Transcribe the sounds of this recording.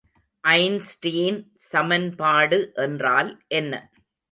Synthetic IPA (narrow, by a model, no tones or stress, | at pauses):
ʔɐɪnsʈiːn | sɐmɐnpaːɽɯʔɛndraːlʔɛnːɐ̰